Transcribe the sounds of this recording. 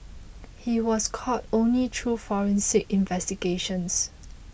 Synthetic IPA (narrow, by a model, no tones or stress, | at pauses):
hiwɔskʰɔtõnlitʰɹufɔɹə̃nsekĩnvɛstiɡeʃə̃ns